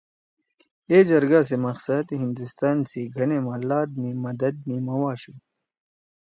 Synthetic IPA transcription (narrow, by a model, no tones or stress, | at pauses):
eːd͡ʑɐɾɡaːs̬emɐqsɐd̪ɦind̪ust̪aːnsiɡʱɐneːmãlaːd̪̚mimɐd̪ɐd̪̚mimɐwaːɕu